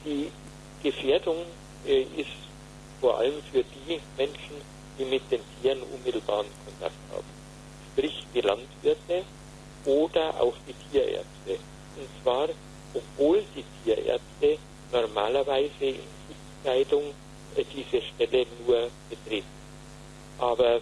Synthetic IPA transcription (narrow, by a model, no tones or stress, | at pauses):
d̥iː | ɡ̥əfeːɐdʊŋ | ʔʔɪst | foːɐʔa̰ləmfyːɐdiːmɛnʃn̩ | d̥iːmɪt̚d̥eːntʰiːʁənʔʊ̰nmɪtl̩baːʁənkʰɔntʰa̰k̚tha̰ːb̥m̩ | ʃpʁ̥ɪçd̥iːlantv̥ɪɐtə | ʔoːdɐʔa̰ʊxd̥iːtʰiːɐʔḛːɐt͡stə | ʔʊntt͡sv̥aːʁ | ʔɔpv̥oːld̥iːtʰiːɐʔḛɐt͡stə | nɔɐma̰ːlɐvaɪzəɪ̰nsu | aɪdʊŋ | d̥iːzəʃtɛlənuːɐɡ̥ətʁ̥eːtn̩ | ʔaːbɐ